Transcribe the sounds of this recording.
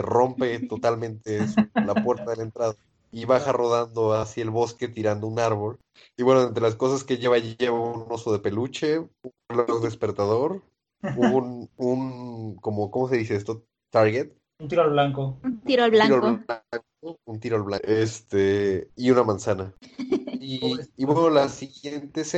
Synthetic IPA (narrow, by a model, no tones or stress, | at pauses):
ro̞mpe̞t̪o̞t̪almẽ̞nt̪e̞sulapwe̞ɾt̪aðelaent̪ɾaða | iβaxaro̞ð̞and̪o̞asie̞lβo̞ske̞t̪iɾand̪o̞unaɾβo̞l | iβwe̞noent̪ɾe̞las̬ko̞saskeʝe̞βaʝie̞βauno̞so̞ðe̞pe̞lut͡ʃeunelozðespe̞ɾt̪að̞o̞ɾ | ununko̞mo̞ko̞mo̞s̬e̞ðiseest̪o | t̪aɾɣet̪̚ | unt̪iɾolβlaŋkout̪iɾolβlaɾollaŋkount̪iɾolβlaest̪eiunamãnsana | iːβwenolasiɣje̞nt̪e̞se